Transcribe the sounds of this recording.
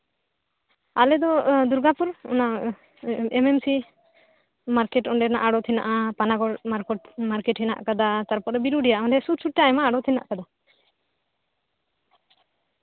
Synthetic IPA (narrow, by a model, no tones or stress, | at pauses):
alɛd̪ɔd̪uɾɡapuɾɔ̰na | ɛmemsi | maɾkɛʈɔɳɖɛnaʔaɽɔt̪ʰina̰ʔapanaɡɔɽmaɾmaɾkɛʈhʰina̰ʔkad̪at̪aɾpɔɾɔbiɾuɖijaʔamɔd̪ɛsut̪suʈ̚ːajmaːɽɔt̪ʰina̰ʔkad̪a